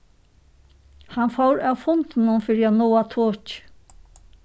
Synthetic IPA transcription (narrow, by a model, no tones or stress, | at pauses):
hanfɔwɾawfʊnt̪ɪnʊmfɪɾɪanɔːat̪ʰoːt͡ʃ